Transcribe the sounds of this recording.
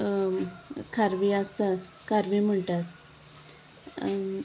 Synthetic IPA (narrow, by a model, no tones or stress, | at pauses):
kʰaɾʋiəst̪a | kʰaɾʋim̤əɳʈat̪